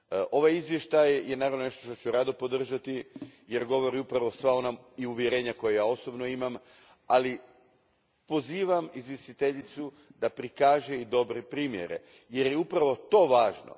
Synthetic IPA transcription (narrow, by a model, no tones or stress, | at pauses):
ʔo̞ʋajizʋje̞ʃt̪ajjenaːɾaʋno̞ne̞ʃt̪oʃt̪ot͡ɕuɾad̪opo̞d̪r̩ʒat̪ije̞ɾɡo̞ʋo̞ɾiupɾaʋo̞sʋao̞naiuʋje̞ɾeːɲako̞jejaːo̞sobno̞imam | ali | po̞ziːʋamizʋjest̪it̪eʎit̪su | d̪apɾikaːʒe̞id̪o̞bɾepɾiːmje̞̰ɾḛ | je̞ɾjeupɾaʋo̞t̪o̞ːʋaːʒno̰